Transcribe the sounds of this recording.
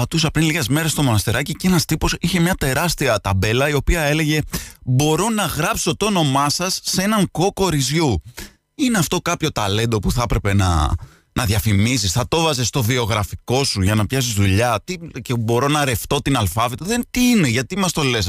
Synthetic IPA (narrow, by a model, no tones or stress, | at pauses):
pɐt̪usɐpɾinliɣe̞zme̞ɾest̪o̞mo̞nɐst̪iɾɐcice̞nɐst̪ipo̞siçe̞mɲɐt̪e̞ɾɐst̪iɐt̪ɐbe̞lɐio̞piɐe̞le̞ʝe̞bo̞ɾo̞nɐɣɾɐpso̞t̪ono̞mɐsɐsːee̞nɐŋko̞ko̞ɾizʝu | ine̞ɐft̪o̞kɐpço̞t̪ɐle̞nd̪o̞puθɐɐpɾepe̞nɐ̰ | nɐðʝɐfimisisθɐt̪o̞vɐze̞st̪o̞vio̞ɣɾɐfiko̞suʝɐnɐpçɐsizðuʎɐt̪icebo̞ɾo̞nɐɾe̞ft̪o̞t̪inɐlfɐvet̪oðet̪iine̞ʝɐt̪imɐst̪o̞le̞s